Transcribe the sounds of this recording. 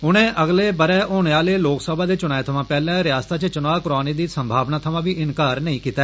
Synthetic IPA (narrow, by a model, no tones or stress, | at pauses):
ʊnẽːʔəɡleːbəɾɛːʔoːɳ̃eaːleːloːksəbʱaːd̪eːt͡ʃʊñaːet̪ʰəʋãːpɛːlɛ̃ːɾɪjaːst̪aːt͡ʃət͡ʃʊnaːkʊɾaːneːd̪iːsəmbʱaːʋnaːt̪ʰəʋãːʋiːʔɪnkaːɾnəĩːkiːt̪aɛ